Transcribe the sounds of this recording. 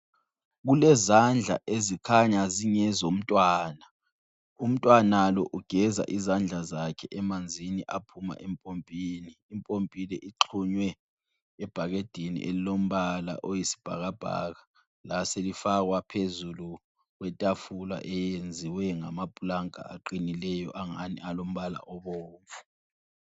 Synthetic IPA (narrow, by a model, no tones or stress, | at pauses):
ɣ̬ulɛzand͡ɮʱa̰ʔezikʰaɲaziɲɛzom̩tʼwaːna | um̩tʼwanalɔʔuɡ̥ʱɛza̰ʔizand͡ɮʱazakʰɛʔɛmand͡zʱiniʔapʰuma̰ʔɛmpʼompʼiːniːmpʼompʼilɛʔiǁʰuɲwɛː | b̥ʱaɣed̥ʱinḭʔelilom̩βala̰ʔojisi̥b̥ʱa̰ɣab̥ʱa̰ɣa | laselifaɣwapʰezulu | ɣwɛtʼafula̰ʔɛjend͡zʱiwɛŋamapʼulaŋkʼa̰aǃinilɛjɔʔaŋa̰nḭalom̩βala̰ʔɔβoːɱfu̥